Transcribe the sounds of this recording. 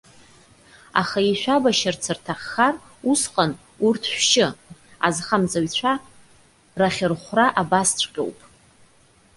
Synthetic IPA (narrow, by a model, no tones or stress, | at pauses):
a̰χaiʃʷᶣabaʃɪrt͡sʰɨrtʰaχːar | usqʼan | urtʰʃʷᶣʃɪazχamt͡sʼaɥt͡ɕʷʰa | raχʲɪrχʷraʔabast͡ɕʷʰʼqʲʼo̰wpʼ